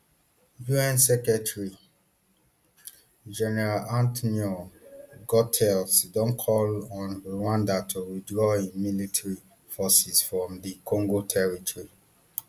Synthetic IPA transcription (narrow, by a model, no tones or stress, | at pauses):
buɛ̃nsɛkɹɛtʰɹi | d͡ʒɛnɛɹalãntɔnio | ɡɔtʰɛlsdɔ̃nkʰɔlɔ̃newãndatʰuwidɹɔĩnmilitʰaɹi | fɔsisfɹɔ̃mdikʰɔ̃ŋɡotʰɛɹitʰɔɹi